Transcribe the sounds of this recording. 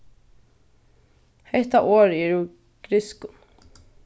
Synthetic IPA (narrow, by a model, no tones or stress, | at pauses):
hɛjht̪aʔoːɾɛɾu | ɡ̥ɾɪskʊ